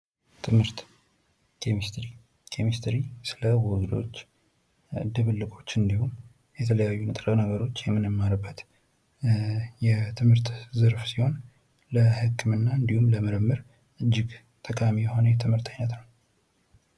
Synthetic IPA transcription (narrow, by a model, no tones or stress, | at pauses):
t̪ʰɨmhɨɾt̪ | kʰemist̪ɾi | kʰemist̪ʰɾisɨləwɔɡd̪o̞̰t͡ʃː | d̪ɨβɨlːɨkʰʼo̞t͡ʃːɨnd̪ihum | jɛt̪ʰələjajːunɨt̪ʼɾənəɡəɾo̞t͡ʃːjɛmːɨnɨmːaɾbːət̪ | jɛt̪ʰɨmhɨɾt̪zɨɾfsiho̞n | ləhɨkʰːɨmɨnːaɨnd̪ihumləməɾəmːɨɾ | ʔɨd͡ʒːɪɡ | t̪ʰəkʼamijɛho̞nəjɛt̪ʰɨmhɨɾt̪ʰəɲːət̪nəw